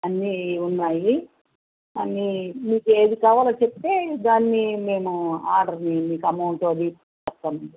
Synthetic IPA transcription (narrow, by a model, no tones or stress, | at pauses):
ɐnːiunːaːji | ɐnimiːkueːd̪ikaːʋaːlɐt͡ʃep̚t̪e̞ːd̪aːnːime̞ːmua̰ːɾɖɐɾnimiːkɐmɐwɳʈod̪i | t͡ʃɐp̚t̪ːaːmund̪i